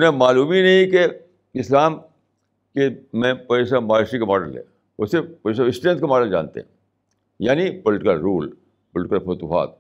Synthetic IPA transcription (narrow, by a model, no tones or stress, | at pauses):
ʊnẽmaːluːminɐɦĩke | ɪslaːm | kemẽpɛɪs̬amaːʃikamɔːɖəlɦɛ̰ː | ʊsepɐːs̬aɪsʈẽnt̪̚kamɔːɖəld͡ʒa̰ːnt̪ḛɦɛ̰̃ | jaːnipɔlɪʈɪkəlɾuːl | pɔlɪʈɪkəlfɐt̪uːɦa̰ːt̪̚